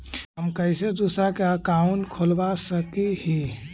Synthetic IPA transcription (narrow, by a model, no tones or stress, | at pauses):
ɦəmkəɪsed̪usɾakeakaunkʰolbasəkehi